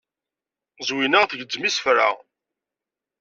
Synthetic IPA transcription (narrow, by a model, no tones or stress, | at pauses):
zwinəʁθəʝəd͡zːmisfɾa